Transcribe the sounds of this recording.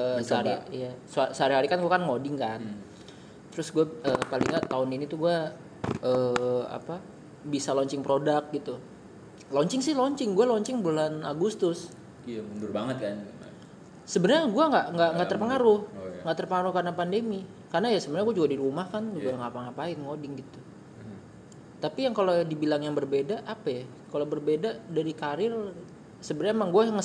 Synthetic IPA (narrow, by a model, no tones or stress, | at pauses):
əsaɾijasasəaɾiɦaɾikanɡuakanŋodɪŋkan | t̪əɾʊsɡuaəpalḭŋɲat̪aʊninit̪uɡua | ʔəːa̰pa | bisalɔɲt͡ʃɪŋpɾodak̚ɡit̪u | lɔɲt͡ʃɪŋsɪhlɔɲt͡ʃɪŋɡualɔɲt͡ʃɪŋbulana̰ɡust̪ʊs | amundʊrbaŋət̪̚kan | səbənərɲaɡuaŋɡaʔŋɡaʔŋɡaʔt̪ərpəŋaɾʊhŋɡaʔt̪ərpəŋaɾʊhkarnapandemi | karnajasəbənɲaɡuad͡ʒuɡadiɾumahkanuɡaŋapaŋapaɪnŋodɪŋɡit̪u | t̪apijaŋkalodibilaŋjaŋbərbedaʔːpaja | kalobərbedadaɾikaɾɪr | səbənɲamaŋɡuaŋə